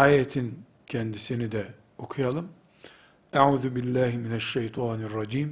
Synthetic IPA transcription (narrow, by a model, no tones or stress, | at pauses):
ʔaːjat̪ʰɪn | kand̪ɪsɪnɪd̪a | ʔʊkʰjɑlɨm | ʔaʕuːðʊbɪlːaːhmɪnaʃːajt̪ˤɑːnɑrˤːɑd͡ʒiːm